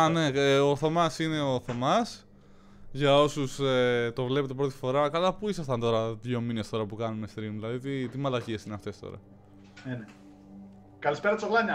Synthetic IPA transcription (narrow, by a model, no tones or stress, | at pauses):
ɐne̞oθo̞mɐsine̞oθo̞mɐs | ʝɐo̞suset̪o̞vle̞pe̞t̪e̞pɾo̞t̪̬i̥fo̞ɾɐkɐlɐpuisɐst̪ɐnt̪o̞ɾɐðʝo̞mine̞st̪o̞ɾɐpukɐnume̞st̪ɾimlɐðit̪it̪imɐlɐciesineɐft̪e̞st̪o̞̰ɾɐ̰ | nene | kɐlispeɾɐt̪isoɣlɐɲɐ